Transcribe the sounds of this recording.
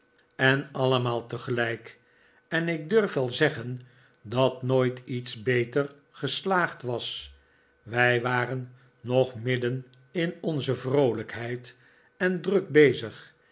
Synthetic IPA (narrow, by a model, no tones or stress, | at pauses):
ɛnɑləmaːlˠtəχəlɛjk | ɛnɪɡ̚dɵrfʋɛlˠzɛχən | dɑtnoːjtitsbejtər | χəslaːχtʋɑs | ʋɛjʋaːrənː | ɔχmɪdən | ɪnɔnzəvrowləkɦɛjt | ɛndrɵk̚bejzəχ